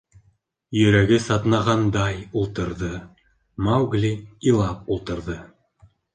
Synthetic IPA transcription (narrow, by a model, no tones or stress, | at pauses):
jɵ̆ɾæɡɘsɑt̪nɑʁɑnd̪ɑjulˠt̪ɤ̆ɾðɤ | mawɡlʲiilˠɑp̚ulˠt̪ɤ̆ɾðɤ